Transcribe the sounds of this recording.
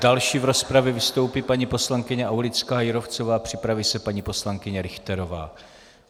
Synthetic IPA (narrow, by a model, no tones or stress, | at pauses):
d̥alʃiːvɾo̞spɾavjɛvɪst̪o̞wpiːpaɲipo̞slaŋkɪɲɛʔawlɪt͡skaːjɪɾo̞ft͡so̞vaːpr̝̥ɪpɾaviːsɛpaɲiːpo̞slaŋkɪɲɛɾɪxt̪ɛɾo̞va̰ː